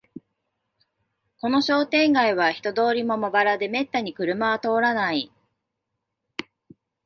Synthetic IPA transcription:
ko̞no̞ɕo̞ːt̪ẽ̞ŋɡaiβ̞açi̥t̪o̞d̪o̞ːɾʲimo̞mabaɾad̪e̞me̞t̪ːaɲ̟ikɯ̟ɾɯ̟maβat̪o̞ːɾanai

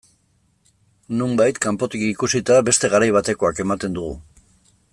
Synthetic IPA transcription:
numbajt̪kampo̞t̪ikikusit̪abe̞st̪e̞ɣaɾajβ̞at̪e̞ko̞ake̞mat̪e̞nd̪uɣ̞ṵ

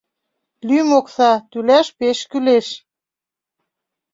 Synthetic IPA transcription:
lymoksɑt̪ylæʃpeʃkyleʃ

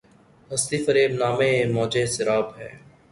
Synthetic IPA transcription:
ɦɐst̪ifɐɾeːbnaːmẽmɔːd͡ʒeːsɪɾaːbɦɛ̰ː

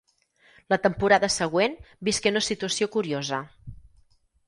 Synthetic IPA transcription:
lət̪əmpuɾaðəsəɣ̞wenbiskenəsit̪uəsiokuɾiozə

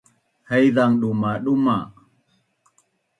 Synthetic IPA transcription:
hɛjðaŋɗumaɗuma

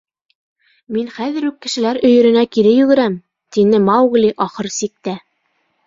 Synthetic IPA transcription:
minχæðɘ̆ɾʉkːɘ̆ʃɘ̆læɾɵ̆jɵ̆ɾɘ̆nækiɾɘjʉɡɘ̆ɾæm | t̪inɘmɑwʁlʲiʔɒχɤ̆ɾsik̚t̪æ

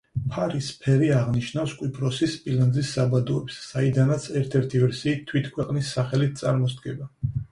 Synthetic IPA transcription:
pʰaɾispʰɛɾiaʁniʃnafskʼwipʼɾɔsispʼilanzisːabad̪ɔɛbsz̥aid̪anat̪sʰɛɾt̪ʰɛɾt̪ʰivɛɾsiːt̪ʰwit̪ʰkʰwɛqʼnisːaχɛlit̪̚t̪sʼa̰ɾmɔsd̪ɡɛba

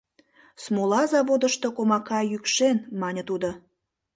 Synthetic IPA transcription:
smolɑzɑβod̪əʃt̪okomɑkɑjykʃenmɑnʲət̪ud̪o

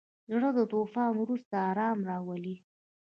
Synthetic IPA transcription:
zɽəd̪ət̪ofɑnwɾust̪aːɾɑmɾɑwali

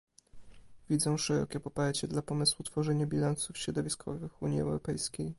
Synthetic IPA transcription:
vʲid̪zɛ̃w̃ʂɛɾɔ̰kʲɛpɔpaɾt͡ɕɛd̪lapɔmɘswut̪fɔʐɛɲabʲilansufɕɾɔd̪ɔvʲiskʰɔ̰vɘxuɲjiɛ̰wɾɔpɛjskʲej

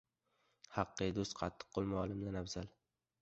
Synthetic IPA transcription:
hɑqːɨjd̪ʊst̪̚qʰɑt̪ʰːɨ̥q̚ːolˠmɒlˠɪmd̪anafz̥al

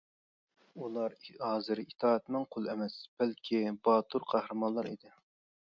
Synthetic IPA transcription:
ulˠɑɾhɑːzɨɾɪit̪ʰɑːɛt̪nɨŋqʰolˠɛmɛsb̥ɛlkʲʰibɑːt̪ʰuɾqʰɑhɾɨmɑnlˠɑɾḭd̪ɪ

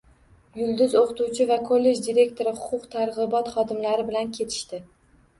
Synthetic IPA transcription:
jʊlˠd̪ʊzoqɨt̪uwt͡ʃʰɪvakʰolːe̞ʒd̪iɾe̞k̚t̪ʰo̞ɾɪhʊ̥qʰʊqt̪ʰaɾʁɨbɒt̪χɒd̪ɪmlaɾɪbɪlankʲʰe̞t̪ʰɪ̥ʃt̪ɪ

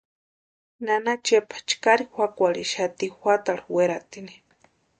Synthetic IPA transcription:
nanat͡ʃepʰḁt͡ʃkaɾixʷakʷaɺiʃat̪ixʷat̪aɾuweɾat̪ini̥

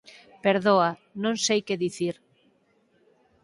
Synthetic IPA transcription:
peɾðoanõŋsejkeðiθiɾ

